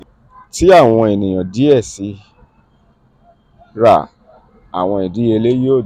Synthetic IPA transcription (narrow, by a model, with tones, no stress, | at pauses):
ti˦a˦˨w̃ɔ̃˧e˨nĩ˨j̃ã˨di˨˦ɛ˦˨si˨˦ | ɾa̰˦˨ | a̰˨w̃ɔ̃˧i˨di˨˦e˧le˦joː˦˨